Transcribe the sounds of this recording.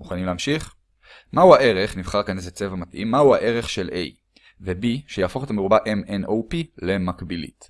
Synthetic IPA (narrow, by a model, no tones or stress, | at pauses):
muχanimleːamʃiχ | mahuaʔe̞ʁe̞χnivχaʁkanezet͡sevamatʔḭmːahuaʔe̞ʁe̞χʃelʔej | vebiʃejafo̞χet̪ameʁubaʔemenʔowpile̞makbilḭt